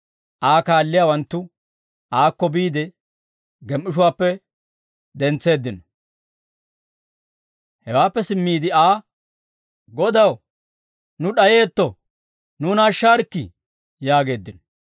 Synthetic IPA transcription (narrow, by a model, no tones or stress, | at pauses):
ʔaːkaːlːɪjaːwɐnt̪ːʊ | aːkːɔbiːd̪ɛ | ɡɛmːɪʃ̬ʊwaːpːɛ | d̪ɛnt͡sːe̞ːd̪ːɪnɔ | hɛwaːpːɛsɪmːiːd̪ɪaː | ɡɔd̪ɐw | nʊɗɐje̞ːt̪ːɔ | nuːnaːʃːaːɾkːɪ̰ | jaːɡe̞ːd̪ːɪnɔ